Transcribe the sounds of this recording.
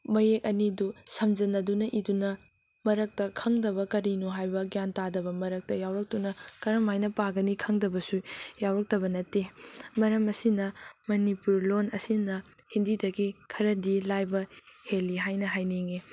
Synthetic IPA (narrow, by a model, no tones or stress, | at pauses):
mɐjek̚ɐnidusɐmd͡ʒɐnɐdunɐʔidunɐ | mɐɾɐk̚tɐkʰɐŋdɐbɐkɐɾinuɦajbɐɡjantadɐbɐmɐɾɐk̚tɐjawɾɐk̚tunɐkɐɾɐmajnɐpaɡɐnikʰɐŋdɐbɐsujawɾɐk̚tɐbɐnɐtemɐɾɐmɐsinɐmɐnipuɾlonɐsinɐhindidɐɡikʰɐɾɐdilajbɐheliɦajnɐɦajniŋe